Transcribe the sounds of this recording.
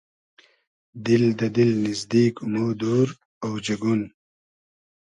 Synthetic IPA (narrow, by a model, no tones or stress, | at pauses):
d̪ɪld̪ɐd̪ɪlnizd̪iːkmoːd̪oːɾ | awd͡ʑɐɡun